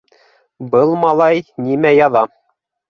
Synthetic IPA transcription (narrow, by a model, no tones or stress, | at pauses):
bɤlˠmɑlˠɑjnimæjɑðɑ